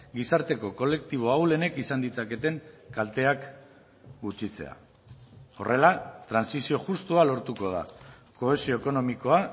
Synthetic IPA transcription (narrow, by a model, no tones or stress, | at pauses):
ɡisaɾt̪e̞ko̞ko̞le̞k̚t̪iβ̞o̞awle̞ne̞kisand̪it͡sake̞t̪e̞ŋkalt̪e̞ak | ɡut͡ʃit͡se̞̰a̰ | o̞̰rʔe̞lat̪ɾansisio̞ʝust̪ualo̞ɾt̪uko̞ð̞a̰ | ko̞e̞sio̞eko̞no̞miko̞a